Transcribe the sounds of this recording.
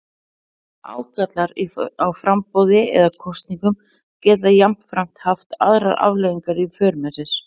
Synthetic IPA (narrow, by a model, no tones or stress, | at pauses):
a̰ːwkʰat̪laɾiawfɾampowðɪɛ̰ðakʰɔwst̪niŋkʏm | cɛːt̪ajam̥fɾam̥t̪haft̪a̰ðɾaðʔa̰vlɛːjiŋkaɾifœːɾmɛsɪs